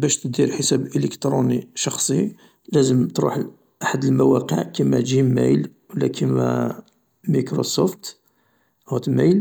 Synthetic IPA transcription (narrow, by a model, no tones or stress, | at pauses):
bæʃt̪əd̪iɾħəsæbʔələkt̪ɾuniʃɑxsˤi | læzəmt̪ɾṵħ | ʔaħəd̪əlmæwæqə̰ʕkimːæʒimæ̰jl | wəlːækʰimæ̰ | mikɾosuft̪ | hæt̪mæjl